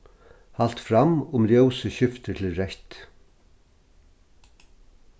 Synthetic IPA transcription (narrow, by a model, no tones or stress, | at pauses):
hal̥t̪fɾamːʊmɾjœwsəɕɪft̪ət̪ʰɪlɾɛht̪